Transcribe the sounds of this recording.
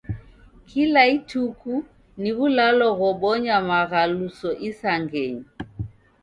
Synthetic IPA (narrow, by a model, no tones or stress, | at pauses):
kʰilaituku | niβulalɔɣɔɓɔɲamaɣalusɔʔisaŋɡɛɲi